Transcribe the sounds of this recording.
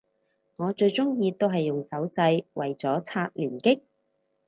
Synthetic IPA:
ŋɔː˨˧t͡ʃɵ˧ɥt͡sʊ˥ŋjiː˧t̪o˥wɦɐ˨jːʊ˨ŋsɐ˨˥wt͡sɐ˧jwʔɐ̰˨jt͡sɔː˨˥t͡sʰaː˧t̚lyː˨˩nkɪ˥k̚

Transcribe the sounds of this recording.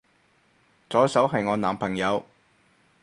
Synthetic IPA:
t͡sɔː˨˧˥jsɐ˨˥wɦɐ˨jŋɔː˨˧naː˨˩mpʰɐ˨˩ŋjɐ˨˧w

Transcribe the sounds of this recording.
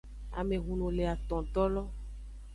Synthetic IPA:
a̰˨me˨ɣu˨nõ˨le˨a˨t̪ɔ̃˨t̪ɔ˦lɔ˦

